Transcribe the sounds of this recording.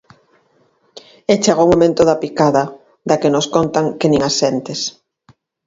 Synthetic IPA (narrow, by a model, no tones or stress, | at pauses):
et͡ʃaɣomomẽnt̪ʊðapikaðɐ | d̪akenoskont̪aŋkɪnĩŋasent̪es